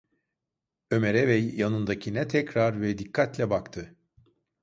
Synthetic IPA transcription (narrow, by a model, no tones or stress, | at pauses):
ø̞meɾɛvɛjːanɯnd̪acʰinɛt̪ʰɛcɾaɾvɛd̪ikʰːat̪lʲɛbakt̪ʰɯ